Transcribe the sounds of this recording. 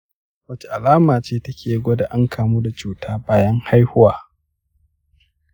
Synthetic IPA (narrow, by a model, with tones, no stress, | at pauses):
wɐ˦t͡ʃe˨ʔa˨laː˦maː˨t͡ʃeː˦tɐ˦kʲʰeː˨˦ɡʷo˦da˨ʔa˦ŋkʰaː˨muː˦da˨t͡ʃuː˨tʰaː˦baː˦jɐ˦ŋha˦jhʊ˦waː˨